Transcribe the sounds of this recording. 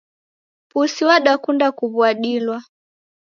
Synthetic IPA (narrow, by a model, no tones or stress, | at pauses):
pusiwaɗakundakuβuaɗilwa